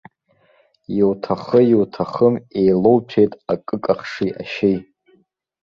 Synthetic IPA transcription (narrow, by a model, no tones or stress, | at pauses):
jiwtʰaχəjiwtʰaχəmejlo̞wpʰejtʼakʼɨkʼaχʂiʔa̰ʃej